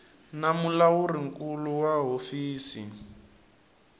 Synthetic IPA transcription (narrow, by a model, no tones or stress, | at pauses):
namulawuriŋkuluwaɦofiːsi